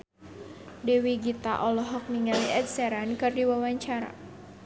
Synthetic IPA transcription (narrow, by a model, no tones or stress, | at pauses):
dɛwiɡit̪aʔɔlɔɦɔk̚miŋaliʔɛd̪̚sɛɾankɨrdiwawaɲt͡ʃaɾa̰